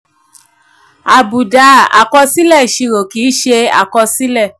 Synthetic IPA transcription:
a˨bu˨da˨˦a̰˨kɔ˧si˦lɛ˦˨ʃi˧ɾo˨kiː˨˦ʃe˧a̰˨kɔ˧si˦lɛ˦˨

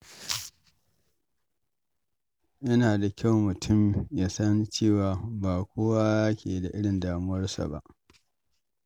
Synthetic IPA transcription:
ʔɪ˦naː˨da˨kʲʰa˦˨wmʊ˨tʰʊ˦˨mja˦sɐ˦nt͡ʃeː˦˨waː˨baː˨kʷoː˦waː˦kʲḛː˨da˨ʔɪ˦ɽɪ˨ndaː˨mʊ˦wɐ˦rsa̰˨ba̰˦˨ʔ

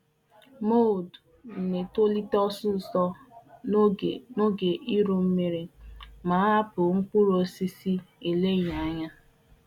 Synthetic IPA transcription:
mo˦˨dn̩˨ne˨to˦li˦tɔ˦sʊ˦˨sɔ˦˨ | no˦ɡe˨ʔi˦ɾo˨m̩˦me˨ɾe˨ma˨˦a˦pʊ˨ŋ̩˦ku˦ɾo˦si˦si˦e˨le˦˨ɲa˨˦ɲa˦

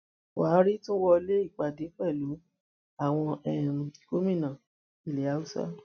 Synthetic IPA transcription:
wa˨˦ɾi˦tũ˦wɔ˧le˦i˦˨k͡pa˨de˨˦fɛ˦˨lu˨˦ | a˦˨w̃ɔ̃˧ɛ˦˨ko˦mĩ˦˨nã˨ | i˨le˨˦a˨˦u˦sa̰˦

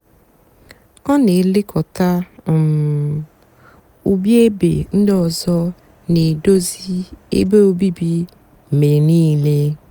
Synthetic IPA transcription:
ɔ˦ne˨˦lɪ˦kʰɔ˨ta˦˨m˨ | u˨bi˦e˦bḛ˨n̩˦dɔ˨zɔ˦ | ni˨do˦zi˦ḛ˦be˦o˦bi˦bi˦˨ | me˨niː˦le˦

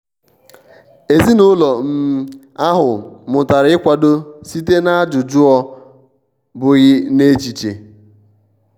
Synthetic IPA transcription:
e˨zi˦nʊ˦lɔ˨m̩˦ | a˦ɦʊ˨mʊ˨ta˨ɾɪ˦kʷa˨do˦si˦te˦na˦a˦d͡ʒʊ˨d͡ʒʊ˦ɔ˦ | bʊ˨ɣɪ˦ne˦t͡ʃi˨t͡ʃe˨

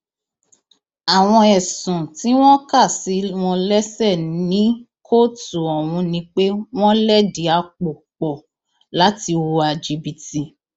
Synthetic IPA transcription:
a˨w̃ɔ̃˧ɛ˨sũ˨ti˨˦w̃ɔ̃˦ka˦˨si˨˦w̃ɔ̃˧lɛ˦sɛ˦˨nĩ˦ | kʰo˦tu˨ɔ˨wũ˧nĩ˧k͡pe˦w̃ɔ̃˦lɛ˦di˨˦a˧k͡po˨k͡pɔ˨ | la˨˦ti˧o˧a˨d͡ʒi˧bi˨ti˧

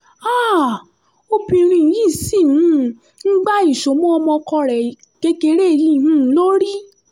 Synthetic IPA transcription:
a˦˨ | o˧bĩ˧ɾ̃ĩ˧˨˦jĩ˦˨si˦˨ũ˦˨ | n̩˦ɡ͡ba˦i˦˨ʃo˨˦mɔ̃˦ɔ˧mɔ̃˧kɔ˧ɾɛ˨ | ke˧ke˧˦ɾe˦˨jĩ˧˦˨ɦũ˦˨˦lo˦ɾi˦

